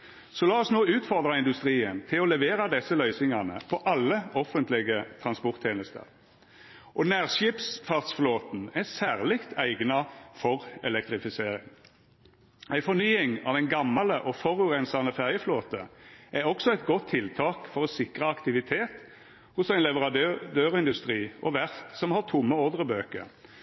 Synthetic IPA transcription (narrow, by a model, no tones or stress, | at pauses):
sɔlɑːɔsnoːʉːt̪fɔʁd̪ʁɑɪnd̪ʉst̪ʁiːənt̪ʰɪlɔlɛʋeːʁɑd̪ɛsːəlœʏsɪŋɑnə̰pʰɔʔɑlːəɔfənt̪lɪɡət̪ʰʁɑnspɔʁt̪ʰːeːnəst̪ə̰ʁ | ʔɔnæːʁʃɪːpsfɑʁt̪sfloːt̪n̩æsæːʁlɪkt̪ʰæɪɡnɑfɔʁɛlɛk̚t̪ʁɪfɪseːʁɪŋ | æɪfɔɾnyːɪŋɑ̰ʋd̪ɛɪnɡɑmːɑləʔɔfɔʁʉʁɛnsɑnəfæʁjəfloːt̪əʔæɔksɔɛɪt̪ɡɔt̪ʰːɪlt̪ʰɑːkfɔʁɔsɪkʁəɑkt̪ɪʋɪt̪ʰeːt̪ | hʊsæɪnlɛʋəʁɑd̪øːʁɪnd̪ʉst̪ʁiːʔɔʋæʁt̪sɔmhɑʁt̪ʰʊmːəɔʁd̪ʁəbøːkə̰ɾ